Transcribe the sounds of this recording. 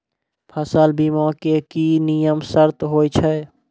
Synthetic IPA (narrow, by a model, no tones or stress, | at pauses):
pʰəsəlbiːmɔ̃ːkekinijəmsəɾt̪ɦoːit͡ʃʰɛ